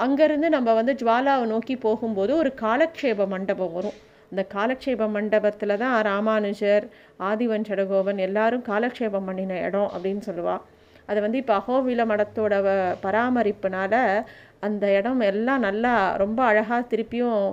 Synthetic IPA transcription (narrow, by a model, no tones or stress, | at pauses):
ɐŋɡɐɪɾɯnd̪ɯnɐmːɐʋɐnd̪ɯd͡ʒʋaːlaːʋnoːkipoːɣɯmpoːðɯɔɾɯkaːlɐkʂeːbɐmɐɳɖɐbɐmʋɐɾʊ̃ | ɐnd̪ɐkaːlɐkʂeːbɐmɐɳɖɐbɐt̪ːɪlɐt̪ãːɾaːmaːnɯd͡ʒɐɾ | aːðɪʋɐnt͡ʃɐɽɐɣoːʋɐnɛlːaːɾɯmkaːlɐkʂeːbɐmpɐɳːɪnɐɛ̰ɽɔ̃ʔɐ̰pːɐɽɪnːɯsɔlːɯʋã̰ː | ɐðɐʋɐnd̪ɯɪpːoɐɣoːʋɪlɐmɐɽɐt̪ːoːɽɐpɐɾaːmɐɾɪpːɯnaːlɐ | ɐnd̪ɐɛɽɐmɛlːãːnɐlːaɾɔmbɐːɻɐɣaːt̪ɪɾɯpːɪjʊ̃